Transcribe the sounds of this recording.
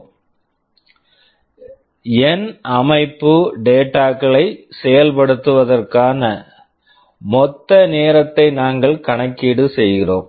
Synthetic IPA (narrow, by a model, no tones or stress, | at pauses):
ɛnʔɐmɐɪpːɯɖeːʈːaːkɐɭɐɪsɛjɐlpɐɽɯt̪ːɯʋɐðɐrkaːnɐ | mɔt̪ːɐneːɾɐt̪ːɐɪnaːŋɡɐɭkɐɳɐkːiːɽɯsɛjɣɪroːm